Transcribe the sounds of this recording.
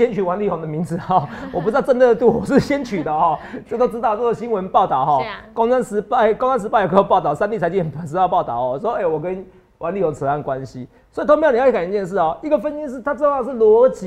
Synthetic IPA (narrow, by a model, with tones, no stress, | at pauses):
ɛ˦nt͡ɕʰy˨˩wa˧˦nli˥˩ho˧˥ŋd̪ə˨mi˧˥ŋd͡zɹ̩˨˩˦ɔ˥˩wɔ˨p̬u˧t͡sɻ̩˥t̪t͡sə˥nd̪ə˨ə˨˩t̪u˥˩wɔ˨˩ʂɻ̩˥˩ɕjɛ˦˥nt͡ɕʰy˨˩d̪ə˨˦hɔ˥˩t͡ɕo˥˩˨t̪o˥ʊʈ͡ʂɻ̩˥ɑ˥ʊ˨wɔ˥˧˩ɔ˥˩ɕi˦˥nwə˧˦npɑ˥˨ʊt̪ɑ˨˩ʊxɔ˥˩kɔ˥ŋa˦˥nʂɻ̩˧˥˧ko˥ŋwa˥nʂɻ̩˧pa˥ɪ˨kʰxo˧˩pɑ˥˩ʊt̪ɑ˥˩ʊsa˥nt̪i˥˩t͡sʰa˧ɪt͡ɕi˥ŋ˨npʰə˨˩nʂ̬̩˧˥ta˥˧pɑ˥˨ʊt̪ɑ˥˨˩ʊɔ˨˩˨swɔ˦e˥˩ɪwɔ˨˩kə˦n | wʔa˧˦nli˥˩ho˧˥ŋt͡s̩ʰ˧˩a˥˩n˩kwa˦nɕi˧˦ | swɔ˧˥˨t̪o˥ŋm˨˧˥ka˨˩˨t͡ɕjnʂ̬ɻ̩˥˩ɔ˨˩i˧˥ɡə˨fə˦ni˥nʂ̬ɻ̩˥˩t̪ʰa˥t͡sə˥˧˦ɑ˥˧ŋʂ̬̩˥˩lwɔ˧˥t͡ɕi˨